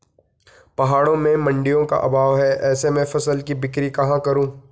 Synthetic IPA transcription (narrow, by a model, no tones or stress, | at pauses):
pɐɦaːɽõmẽmɐ̃ɳɖijõka̰ʔɐbʱaːʋɦɛʔɛːsemɛ̃fɐsəlkibɪkɾikɐɦãkɐɾũː